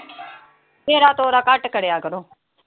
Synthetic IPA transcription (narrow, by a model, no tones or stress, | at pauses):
meːɾaːt̪oːɾaːkəʈkəɽejaːkəɾoː